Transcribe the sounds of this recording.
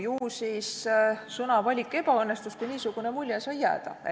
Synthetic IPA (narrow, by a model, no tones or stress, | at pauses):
juːsissɤnɑvɑlʲikːˑe̞bɑɤnːest̪uskujniːsuɡ̥unemulʲjesɑjːæ̰ːd̪̥ɑ̰